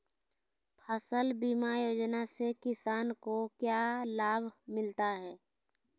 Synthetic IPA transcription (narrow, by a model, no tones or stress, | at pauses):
pʰəsəlbiːmajoːd͡ʒnasekɪsaːnkokjalaːbʱmɪlt̪aɦɛː